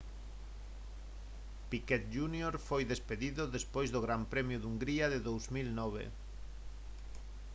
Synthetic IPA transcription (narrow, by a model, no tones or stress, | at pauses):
pikɛt̪ʒunjoɾfojðespeðiðʊðespojzðoɣɾampɾɛmjʊðuŋɡɾiaðeðowzmilnɔβḛ